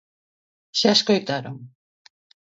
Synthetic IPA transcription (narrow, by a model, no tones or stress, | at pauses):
seaskojt̪aɾoŋ